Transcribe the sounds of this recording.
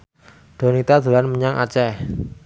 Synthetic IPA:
d̪̥o̤nit̪ad̪̥ṳlanməɲaŋʔa̰t͡ʃɛ

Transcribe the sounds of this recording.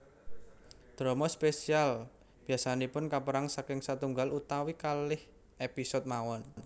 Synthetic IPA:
d̪̥ɾɔmɔspesial | b̥iasanipʊnkapəɾaŋsakɪŋsat̪uŋɡalut̪awikalɪh | episɔd̪̚mawɔnn

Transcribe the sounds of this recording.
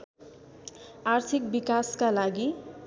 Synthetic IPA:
art̪ʰik̚bikaskalaɡi

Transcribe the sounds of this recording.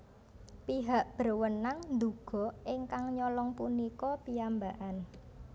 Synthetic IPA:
piɦaʔb̥ərwənaŋnd̪uɡ̥ɔ̤ʔɪŋkaŋɲɔlɔŋpunikɔpiambaʔan

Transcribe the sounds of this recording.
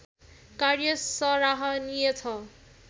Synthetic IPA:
karjʌsʌɾaɦʌnijet͡sʰʌ

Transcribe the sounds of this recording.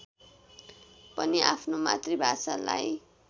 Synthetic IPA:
pʌniʔapʰnoma̰t̪ribʱasala̰j

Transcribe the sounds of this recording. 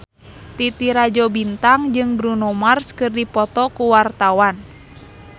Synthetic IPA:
t̪it̪iɾad͡ʒɔbint̪aŋd͡ʒɨŋbɾunɔmarskɨrdipɔt̪ɔkuwart̪awan

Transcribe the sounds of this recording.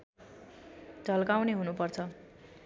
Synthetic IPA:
d͡zʌlkawneɦunupʌrt͡sʰʌ

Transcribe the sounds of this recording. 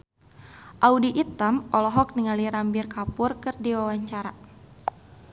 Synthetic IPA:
ʔaudiʔit̪amɔlɔɦɔk̚niŋaliɾambirkapʊrkɨrdiwawaɲt͡ʃaɾa

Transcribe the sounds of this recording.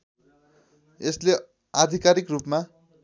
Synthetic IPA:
esle | ad̪ʱikaɾikrupma

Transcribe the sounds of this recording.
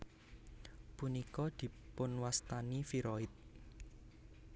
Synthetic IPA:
punikɔd̪̥i̤pʊnwast̪anifiɾɔɪt̪̚

